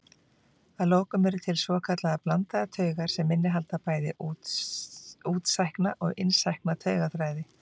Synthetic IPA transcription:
aðloːwkʏmɛɾʏt̪ʰɪlsvɔːkʰat̪laðaplant̪aðat̪ʰœːɥɣaɾ̥sɛmːɪnːɪɦalt̪apaːjðɪ | uːt̪sajhknaʔɔɣɪ̰nsajhknat̪ʰœːɥɣaθɾaːjðɪ

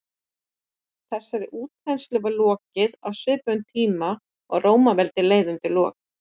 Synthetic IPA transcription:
θɛsːaɾɪʔuːt̪fɛnslɛvalɔːcɪða̰wsvɪːpœnt̪ʰiːma | ɔɣroːwmavɛlt̪ɪleːjðʏnt̪ɪlɔ̰ːk

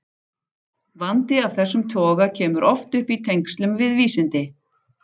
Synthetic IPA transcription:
vant̪ɪavθɛsːʏmt̪ʰɔːɣacʰɛːmʏɾʔɔft̪ʏhpit̪ʰejŋkst̪lʏmvɪðviːsɪnt̪ɪ

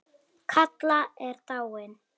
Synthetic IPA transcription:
kʰat̪laɛrt̪ʼawɛn

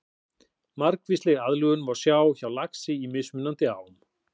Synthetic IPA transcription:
maɾkvist̪lɪɣaðlʏɣʏnvaɾ̥sjaːwçawlaksɪimɪsmʏnːant̪ɪa̰ːwm

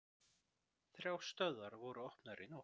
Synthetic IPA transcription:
θɾʲjawst̪œðaɾvɔɾʏɔhpnaɾɪnɔ

